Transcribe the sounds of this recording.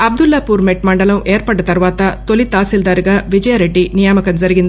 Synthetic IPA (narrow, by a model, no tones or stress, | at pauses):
ɐb̚d̪ulːɐːpuːɾmeʈmɐɳɖɐlɐmeːɾpɐʈːɐt̪ɐɾʋaːt̪ɐt̪olit̪aːsild̪aːɾiɡaːʋid͡ʒɐjaɾeɖːinijaːmɐkɐmzɐɾiɡind̪i